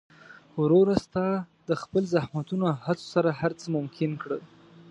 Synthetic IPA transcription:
wɾoɾast̪ɑd̪əxpəlzahmat̪unohat͡so̥saɾahaɾt͡səmʊmkʰɪnkɽə

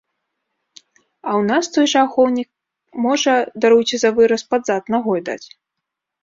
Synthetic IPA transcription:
ɐwnast̪ɔjʐaxɔwnʲik̚ | mɔʐɐd̪aɾuwt͡sʲizɐvɨɾɐspad̪zat̪naɣɔjd̪a̰t͡sʲ

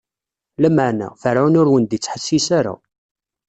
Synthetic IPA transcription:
læməʕnæ̰fəɾʕʊnʊɾwənd̪it͡sːħəsːisaɾa̰

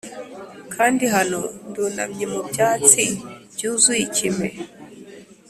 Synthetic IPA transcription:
kʰaːndiɦanonduna̰mɲimubɟaːt͡siɟuzwicime

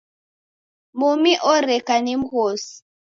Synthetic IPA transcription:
mumiʔɔɾɛkanim̩ɣos

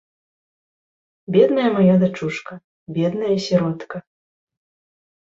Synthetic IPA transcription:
bʲɛd̪nɐjɐmajad̪at͡ʂuʂkɐ | bʲɛd̪nɐjɐsʲɛɾɔt̪kɐ

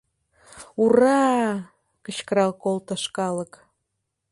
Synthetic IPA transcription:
urɑ | kəɕkəɾɑlkolt̪ə̆ʃkɑlə̆k

